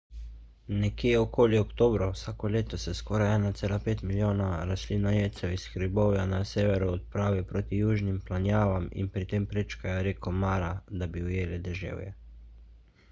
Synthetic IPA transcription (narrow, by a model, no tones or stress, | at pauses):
nɛkjeːokoːliɔkt̪oːbɾawsaːkɔleːt̪ɔsɛskɔːɾajɛːnat̪seːlapeːt̪miljoːnaɾasliːnɔjeːt̪sɛwisxɾibowjanaseːʋɛɾuɔt̪̚pɾaːʋipɾoːt̪ijuːʒnimplanjaːʋamḭnpɾit̪empɾet͡ʃkajɔɾeːkɔmaːɾad̪abiujeːlɛd̪ɛʒḛːwjɛ̰